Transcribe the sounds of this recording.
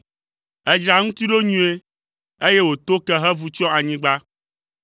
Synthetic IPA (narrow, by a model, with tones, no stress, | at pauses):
ɛ˦d͡ʒa˨ŋũ˦t̪i˦ɖo˦ɲũ˦e˦ | e˦je˦wo˨t̪o˦kɛ˦ɦɛ˦vu˨t͡ʃɔ˦a˨ɲĩ˦ɡ͡ba˦